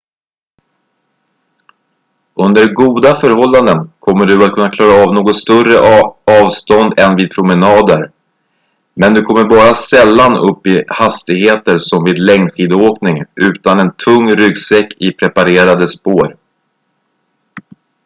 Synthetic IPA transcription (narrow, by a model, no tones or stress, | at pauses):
ɵnd̪əɾɡuːd̪afœɾhɔlːand̪ənkʰɔmːəɖɵat̪kʰɵnːakʰlɑːɾaːvnoːɡɔt̪st̪œrəɑːvst̪ɔnd̪ɛnviːd̪̚pʰɾʊmɛnɑːd̪əɾ | mɛnd̪ɵkʰɔmːəɾbɑːɾasɛlːanɵ̰pːɪhast̪ɪɡheːt̪əɾsɔmviːd̪lɛŋnɧiːd̪oːknɪŋʔʉ̟ːt̪anɛnt̪ʰɵŋːɾʏɡsɛkːɪpʰɾɛpaɾeːɾad̪əspoːɾ